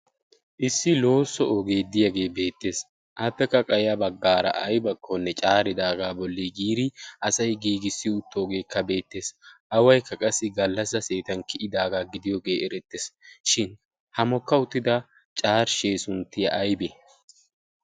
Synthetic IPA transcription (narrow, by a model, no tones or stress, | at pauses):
ʔɪsːɪlo̞ːsːɔɔɡe̞ːd̪ɪjɐɡe̞ːbe̞ːt̪ːe̞ːs | ʔɐt̪ːɛkːɐkʼɐjɐbɐɡːaːɾɐ̰ʔɐjbɐkʰːɔnːɛt͡ʃʼaːɾɪd̪aːɡaːbɔlːiɡiːɾɪʔɐsɐjɡiːɡɪsːɪʊt̪ʰːoːɡe̞ːkːɐbe̞ːt̪ːe̞ːsʔɐwɐjkːɐkʼɐsːɪɡɐlːɐs̬ɐse̞ːt̪ɐnkɪʔɪd̪aːɡaːɡɪd̪ɪjɔɡe̞ːɛɾɛt̪ːeːsʃɪn | hɐmɔkːɐʊt̪ːɪd̪ɐ | t͡ʃʼaːɾʃeːsʊnt̪ːɪjɐ̰ʔɐjbe